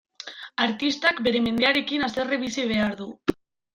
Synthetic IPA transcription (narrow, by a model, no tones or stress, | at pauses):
aɾt̪ist̪akbe̞ɾe̞me̞nd̪eaɾe̞kinast̪ereβisiβ̞e̞aɾðu